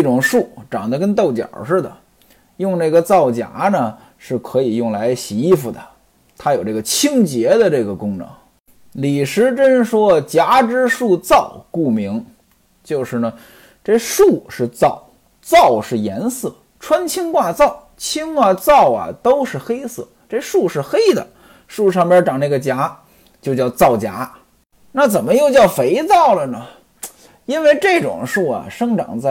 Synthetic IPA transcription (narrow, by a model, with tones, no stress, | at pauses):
ʈ͡ʂʊ˨˩ŋʂu˥˩ʈ͡ʂɑ˨˩ŋd̪ə˦kə˥nt̪̬o˥˩ʊt͡ɕjɑ̰˨˩ʂɻ̩˥˩d̪ə̰˩ | jʊ˥˧ŋna˥˩ɡə˩t͡sɑ˥˩ʊt͡ɕja̰˧˥nə˨ | ʂɻ̩˥˩kʰɤ˧˥i˨˩jʊ˥˩ŋla˧˥ɪɕi˧˥i˥˩fu˨˩d̪ə̰˩ | t̪ʰa˥jo˨˩ʊʈ͡ʂɤ˥˩ɡə˩t͡ɕʰi˥ŋt͡ɕjɛ˧˥d̪ə˧ʈ͡ʂɤ˥˩ɡə˩kʊ˥ŋnɤ̰˧˥ŋ˦ŋ | li˨˩ʂɻ̩˧˥ʈ͡ʂə˥nʂwɔ˥t͡ɕja˧˥ʈ͡ʂɻ̩˥ʂu˥˧t͡sɑ˥˩ʊku˥˩mi˧˥ŋ | t͡ɕjo˥˧ʊʂɻ̩˥˩nə˩ | ʈ͡ʂə˥˧ʂu˥˩ʂɻ̩˥˧t͡sɑ˥˩ʊ | t͡sɑ˥˩˧ʊʂɻ̩˥˩jɛ˧˥nsɤ˥˩ | ʈ͡ʂʰwə˥nt͡ɕʰi˥ŋkwa˥˧t͡sɑ˥˩ʊ | t͡ɕʰi˥ŋkwa˥˧t͡sɑ˥˩ʊɐ̰˩t̪o˥ʊʂɻ̩˥˩xe˥ɪsɤ̰˥˩ʈ͡ʂe˥˧ʂu˥˧ʂɻ̩˥˩xe˥ɪd̪ə̰˨ | ʂu˥˧ʂ̬ɑ˥˩ŋpjə˞˧˥ʈ͡ʂɑ˨˩ŋna˥˩ɡə˩t͡ɕja˧˥ | t͡ɕjo˥˧ʊt͡ɕjɑ˥˧ʊt͡sɑ˥˩ʊt͡ɕja̰˧˥ | na˥˩t͡sə˨˩nmə˦jo˥˧ʊt͡ɕjɑ˥˩ʊfe˧˥ɪt͡sɑ˥˩ʊlə˩nə˩ | i˥nwe˥˧ɪʈ͡ʂɤ˥˩ɪʈ͡ʂʊ̰˨˩ŋʂu˥˩ɐ̰˨˩ʂɤ˥ŋʈ͡ʂɑ̰˨˩ŋt͡sa˥˧˩